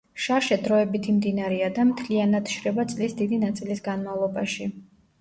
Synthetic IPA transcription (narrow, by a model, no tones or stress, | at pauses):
ʃaʃɛd̪ɾɔɛbit̪ʰimd̪inaɾɛad̪amt̪ʰlianad̪ʃɾɛbat̪sʼlisd̪id̪inat̪sʼilisɡanmavlˠɔbaʃi